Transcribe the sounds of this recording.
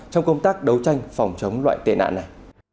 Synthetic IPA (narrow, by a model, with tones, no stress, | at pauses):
t͡ɕɔ˧wŋ͡mkə˧wŋ͡mt̪aː˦˥k̚ɗə˨˦wt͡ɕa˧jŋ̟fɔ˨˩wŋ͡mt͡ɕə˨˦wŋ͡mlwa̰ː˧˨jt̪ḛ˧˨na̰ː˧˨na˨˩j